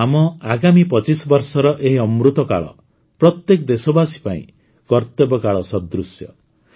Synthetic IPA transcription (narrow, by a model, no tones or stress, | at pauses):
amɔaɡamipɔt͡ʃisɔbɔɾsɔɾɔʔeɦiɔmɾut̪ɔka̰ɭɔ̰ | pɾɔt̪jekɔd̪esɔbasi̥paḭ̃ | kɔɾt̪ebɔkaɭɔsɔd̪ɾusjɔ̰